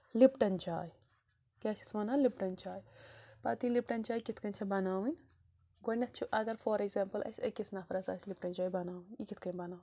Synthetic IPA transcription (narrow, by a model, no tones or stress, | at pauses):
lipʈɐnt͡ʃaːj | keːt͡ʃʰi̥smɐnaːlipʈɐnt͡ʃaːjpɐt̪ilipʈɐnt͡ʃaːjkit̪ʰkɐnʲt͡ʃʰɐbɐnaːwinʲ | ɡonɐt̪̚t͡ʃʰuʔɐɡɐɾfʰoːɾekzeːmpɐlʔɐ̰sʲɐkisnɐfʰɾɐsa̰ːslip̚ʈɐnʲt͡ʃaːibɐnaːwinikit̪ʰkɐnʲbɐnaːw